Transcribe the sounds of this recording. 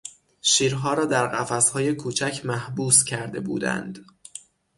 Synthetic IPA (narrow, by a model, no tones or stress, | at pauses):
ʃiːɾɦɒːɾɒːd̪æɾɢæfæshɒːje̞kʰuːt͡ʃʰæcʰmæhbuːscʰæɾd̪e̞bṵːd̪æ̰nd̪̥